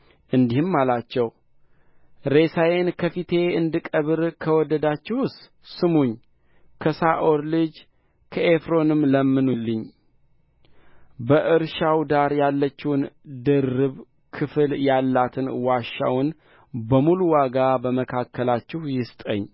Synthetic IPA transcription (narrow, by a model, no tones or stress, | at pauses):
ʔɨnd̪ihɨmːalat͡ʃːɛw | ɾe̞sajenkʰəfit̪ʰe̞ɨnd̪ɨkʼəβɨɾkʰəwɔd̪əd̪at͡ʃːɪhʊst̪ | sɨmuɲː | kʰəsaʔo̞ɾlɨd͡ʒ | kʰəʔefɾo̞nɨmləmːɨnulːɨɲː | bəʔɨɾʃawd̪aɾjalːət͡ʃːɪwnd̪ɨrːɨβ | kʰɨfɨljalːat̪ʰɨnwaʃːa̰wʊn | bəmuluwaɡabəməkʰakːəlat͡ʃːɪhjɪst̪ʼə̰ɲː